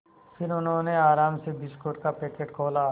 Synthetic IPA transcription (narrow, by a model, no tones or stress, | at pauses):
fʰɪɾʊnɦõːneaːɾaːmsebɪskoːʈkapeːkeːʈkʰoːla